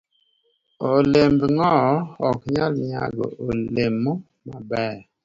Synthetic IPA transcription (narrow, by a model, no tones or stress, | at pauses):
olembŋɔɔkɲalmia̰ɡə̰olemu | mabɛː